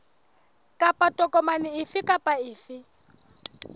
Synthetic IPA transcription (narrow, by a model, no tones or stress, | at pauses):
kʼapʼatʼɔkʼɔmanɪɪfɪkʼapʼaɪːfɪ